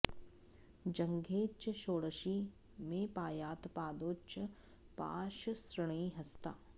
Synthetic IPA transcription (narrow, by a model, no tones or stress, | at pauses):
d͡ʒɐ̃ŋɡʱeːt͡ʃʃoːɽəʃi | mẽpaːjaːt̪paːd̪oːt͡ʃə | pa̰ːʃsɾəɳ̃iɦɐst̪aː